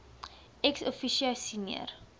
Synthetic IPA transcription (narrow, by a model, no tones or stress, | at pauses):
ɛksɔfiʃiasiniə̰r